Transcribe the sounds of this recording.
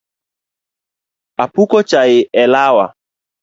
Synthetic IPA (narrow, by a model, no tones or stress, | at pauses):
apukɔt͡ʃajɪʔɛlawa̰